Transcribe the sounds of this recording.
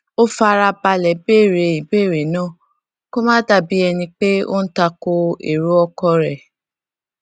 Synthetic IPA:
o˦fa˧ɾa˧ba˧lɛ˨be˦˨ɾe˨i˨be˦˨ɾe˨˦nãː˦˨ | ko˦mãː˦da˦˨bi˦ɛ˧nĩ˧k͡pe˦o̰˦n̩˦ta˧ko˧ḛ˨ɾu˦ɔ˧kɔ˧ɾɛ˨

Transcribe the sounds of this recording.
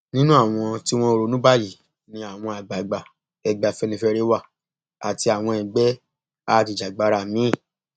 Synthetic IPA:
nĩ˦nũ˦a˦˨w̃ɔ̃˧ti˦w̃ɔ̃˦o˧ɾo˨˦nũ˦ba˦˨ji˦˨ | nĩ˧a˨w̃ɔ̃˧a˨ɡ͡ba˨ɡ͡ba˨ | ɛ˧ɡ͡ba˧fɛ˧nĩ˧fɛ˧ɾe˦wa˦˨ | a̰˨ti˧a˨w̃ɔ̃˧ɛ̃˨ɡ͡bɛ˦ | a˦˨ti˧˨d͡ʒa˨ɡ͡ba˨˦ɾa˧˨mĩ˦˨

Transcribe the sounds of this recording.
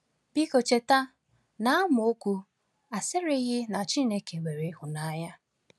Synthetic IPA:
b̥i˦ko˨t͡ʃe˨ta˦ | na˦a˦mʊ˨o˦kʷu˦ | a˨sɪ˦ɾe˦ɣɪ˦na˨t͡ʃi˦ne˦ke˨ɡ͡be˨ɾe˨˦hʊ˨na˦ja˦

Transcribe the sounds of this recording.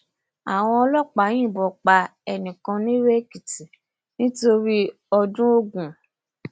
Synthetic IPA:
a̰˨w̃ɔ̃˧ɔ˧lɔ˦˨k͡pa˨˦j̃ĩ˦˨bɔ˨k͡pa˧ɛ˨nĩ˨kã˧nĩ˦ɾe˦ki˨ti˨ | nĩ˦to˧ɾi˦ | ɔ˧dũ˦o˦ɡũ˨

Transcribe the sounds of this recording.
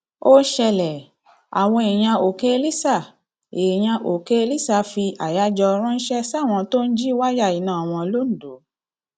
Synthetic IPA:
o˦ʃɛ˧lɛ˨ | a̰˨w̃ɔ̃˧e˨j̃ã˧o˨ke˦e˧li˦sa˦˨ | e˨j̃ã˧ʔo˨ke˦e˧li˦sa˦˨fi˧ʔa˨ja˦d͡ʒɔ˧ɾ̃ã˦n̩˦ʃɛ˦sa˦˨w̃ɔ̃˧to˦n̩˦d͡ʒi˦wa˦ja˦˨i˨˦nã˦˨w̃ɔ̃˧lo˦ñ̩˨do˨˦

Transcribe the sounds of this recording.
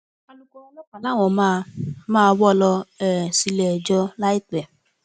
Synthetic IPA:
a˦lu˦kʷɔ˦lɔ˦ka˨la˦˨ŋʷɔ˨ma˦˨maː˦˨˦bɔ˦lɔ˧ɛ˨si˦le˨d͡ʒɔ˦la˦i˦tɛ˨

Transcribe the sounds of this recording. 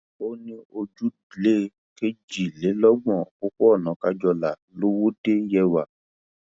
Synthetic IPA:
o˦nĩ˧o˧d͡ʒu˦dle˦ | ke˦d͡ʒi˨le˨˦lɔ˦ɡ͡bɔ̃˨ko˦ko˦ɔ˦˨nɔ̃˨˦ka˦d͡ʒɔ˧la˨lo˦wo˦de˦jɛ˧wa˨

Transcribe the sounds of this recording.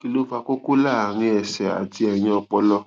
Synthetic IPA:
ki˧lo˦fa˧ko˦ku˦la˦˨a˨ɾ̃ĩ˧ɛ˨sɛ˨a̰˨d͡ʒi˧˦ɛ˨ɲ̃ɛ̃˧ɔ˧k͡pɔ˧˦lɔ˧

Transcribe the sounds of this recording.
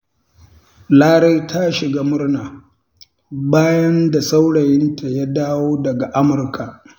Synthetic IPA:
laː˦ɽe˦jtʰa˦ʃɪ˨ɡaː˦mʊ˦rnaː˨ | baː˦jɐ˦nda˨sa˦wɽɐ˨jɪ˦nta˨ja˦daː˦woː˦dɐ˨ɡa˨ʔa˦mʊ˨rkʰa˨ʔ

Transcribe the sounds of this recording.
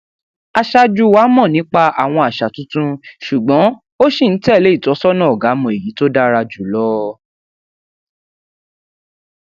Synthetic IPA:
a˧ʃa˧d͡ʒu˧wa˨˦mɔ̃˦˨nĩ˨˦k͡pa˧a˨w̃ɔ̃˧a˨ʃa˨tũ˦tũ˦ʃu˨ɡ͡bɔ̃˨˦ | o˦ʃi˦˨n̩˨˦tɛ˦˨le˨˦i˦˨tɔ˨˦sɔ˦nã˦ɔ˨ɡa˨˦mɔ̃˨e˨ji˨˦to˦da˦ɾa˧d͡ʒu˨˦lɔ˦

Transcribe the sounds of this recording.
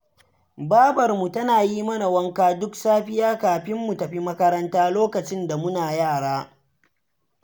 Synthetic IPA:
baː˦bɐ˨rmu˨tɐ˦naː˨jiː˦mɐ˦na˨wɐ˦ŋkaː˦dʊ˦ksaː˦ɸɪ˦jaː˦kaː˨ɸɪ˦mːu˨tɐ˨ɸi˦mɐ˦kɐ˦ɾɐ˦ntaː˦loː˦kɐ˨t͡ʃɪ˦nda˨mʊ˦naː˨jaː˦˨ɽaː˦

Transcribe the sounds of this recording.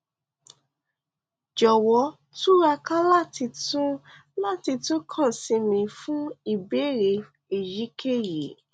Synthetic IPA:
d͡ʒɔ˨wɔ˨˦ | tu˦ɾa˧kã˦la˦ti˧tũ˦ | la˦˨ti˧tõ˦kʰã˦˨sĩ˧mĩ˨˧˨fũ˦i˦˨be˦ɾe˧ | e˨ji˨˦ke˦˨ji˨˦

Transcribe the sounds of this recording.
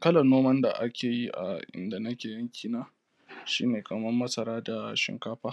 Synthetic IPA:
kɐ˦lɐ˨noː˦mɐ˦nda˨ʔa˦kʲʰeː˨ji˦ʔa̰˨ʔɪ̰˨nda˨nɐ˦kʲeː˨jɐ˦ŋkʲʰiː˨naː˦ | ʃḭ˦neː˨kɐ˨mɐ˦mːɐ˦sɐ˨ɾaː˦da˨ʃɪ̰˨ŋkaː˦ɸaː˦

